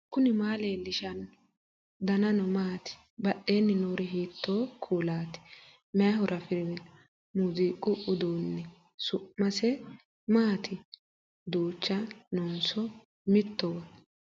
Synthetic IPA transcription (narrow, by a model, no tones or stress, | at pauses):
kʊnɪmaːleːlːɪʃɐn | d̪ɐnɐnɔmaːt̪ɪ̥ | bɐɗːe̞ːnːɪnuːɾɛɦiːt̪ːoːkʰuːlaːt̪ɪ̥ | mɛaɦʊɾʔɐfɪɾɪmɛl | muziːkʼːʊʔʊd̪uːnːɛ | sʊʔmːɐsɛ | maːt̪ʰɪ | d̪uːt͡ʃːɐnonsɔ | mɪt̪ːɔwɐ